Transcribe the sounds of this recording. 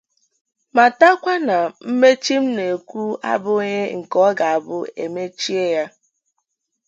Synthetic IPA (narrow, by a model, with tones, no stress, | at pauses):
ma˨ta˦kʷa˦na˨m̩˦me˦t͡ʃi˦m̩˦ne˨kʷu˦a̰˦bʊ˦ɲe˦ŋ̩˨kɔ˦ɡa˨a˨bʊ˦e˨me˦t͡ʃi˦e˦ja˦